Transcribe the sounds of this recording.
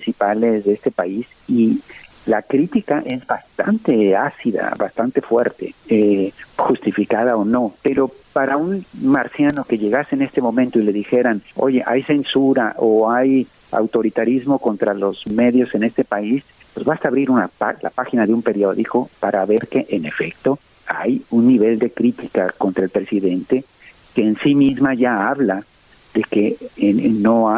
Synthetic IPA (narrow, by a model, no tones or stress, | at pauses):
pɾinsipale̞zðeest̪e̞pais | ilakɾit̪ikaʔe̞zbast̪ant̪e̞asiða̰βast̪ant̪e̞fwe̞̰ɾt̪e̞̰exust̪ifikaðaono̞pe̞ɾo̞paɾaunmaɾsjano̞ke̞ʝe̞ɣaseːne̞st̪emõ̞mẽnt̪o̞ile̞ðixe̞ɾano̞̰ʝe̞ʔajse̞nsuɾaʔoaj | a̰wt̪o̞ɾit̪aɾizmo̞ko̞nt̪ɾalo̞z̥me̞ðjo̞se̞ne̞st̪e̞pais | pwezβast̪aːβɾiɾuna̰pala̰paxinaðeumpe̞ɾjo̞ðiko̞paɾʔaβe̞ɾke̞ʔene̞fek̚t̪o̞ | ajunːiβe̞ld̪e̞kɾit̪ika̰ko̞nt̪ɾaelpɾe̞siðe̞nt̪e̞ | ke̞ːnsimizmaʝaaβla | ðe̞ke̞ | noa